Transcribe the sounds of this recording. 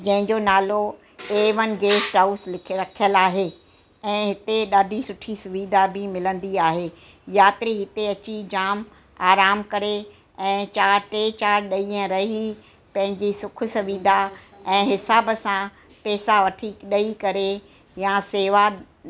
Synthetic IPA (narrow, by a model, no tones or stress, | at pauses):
d͡ʑɐ̃ɦɪ̃ɲd͡ʑonaːlo | eːʋən̆ɡeːsʈaːuslɪkʰɾɐkʰijəlaːɦeː | ɛ̃ːɦɪt̪eɗaːɖʱisʊʈʰisʊʋiːd̪ʱabʱimɪlə̃nd̪iaːɦeː | jaːt̪ɾiɦɪt̪eɐt͡ɕid͡ʑaːm | aːɾaːmkɐɾe | ɛ̃ːt͡ɕaːɾʈeːt͡ɕaːɾɗɐiːə̃ɾɐɦi | pɐ̃ɦɪ̃ɲd͡ʑisʊkʰʊ̆sɐʋiːd̪ʱa | ɛ̃ːɦɪsaːbsã | pɛːsaʋɐʈʰiɗɐikɐɾe | jaseːʋa